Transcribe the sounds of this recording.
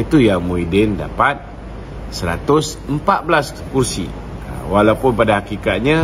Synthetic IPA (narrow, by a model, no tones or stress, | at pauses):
it̪ujaŋmuidɪnda̰pat̪̚ | səɾa̰t̪ʊsəmpat̪̚bəlas | kursḭ | ə̰walapʊnpadahakikat̪̚ɲa